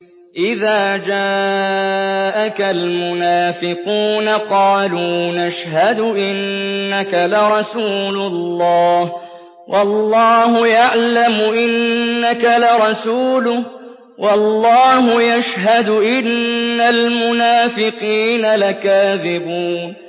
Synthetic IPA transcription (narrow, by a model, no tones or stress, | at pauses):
ʔɪðaːd͡ʒaː | ʔakalmʊnaːfɪquːnaqɑːluːnaʃɦad̪ʊʔɪnːakalaɾˤɑsuːlʊlːɑːh | wʔɑlːɑːɦʊjaʕlamʊʔɪnːakalɑɾˤɑsuːlʊh | wʔɑlːɑːɦʊjaʃɦad̪ʊʔɪnːalmʊnaːfɪqiːnalakaːðɪbuːn